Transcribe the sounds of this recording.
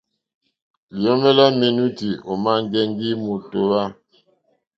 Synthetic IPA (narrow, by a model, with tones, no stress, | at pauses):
li˨o˦mɛ˦la˦me˨nu˦ti˨o˨ma˦ŋ˦ɡɛ˦ŋɡi˦mu˨to˦wa˦